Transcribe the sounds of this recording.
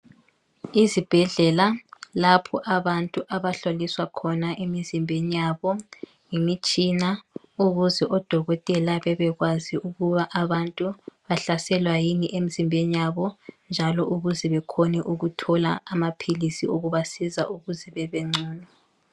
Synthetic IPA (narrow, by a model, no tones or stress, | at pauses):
izib̥ʱɛɮɛlalapʰɔʔaβantʼuʔaβaɬoliswakʰɔnaʔemizimbʱenijaβɔ | ŋemit͡ʃʼina | uɣuzɛʔɔd̥ʱɔɣɔtʼɛlaβɛβɛɣwaziʔuɣuβaʔaβantʼuβaɬasɛlwajiniʔem̩zimbʱenijaβɔnd͡ʒʱalɔʔuɣuzɛβɛkʰɔnɛʔuɣutʰɔla̰ːmapʰilisioɣuβasizaʔuɣuzɛβɛβɛŋ͡ǀuːnɔ